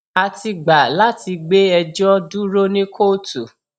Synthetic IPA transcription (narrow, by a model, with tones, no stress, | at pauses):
a˧ti˧ɡ͡ba˨la˦ti˧ɡ͡be˦ɛ˧d͡ʒɔ˦du˦ɾo˦nĩ˦kʰo˦˨tu˨